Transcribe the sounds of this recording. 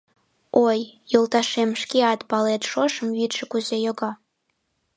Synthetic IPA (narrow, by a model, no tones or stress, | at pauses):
ojːolˠt̪ɑʃemʃkʲiɑt̪pɑlet̪ʃoʃəmvit̪ʃɘkuzejoɡɑ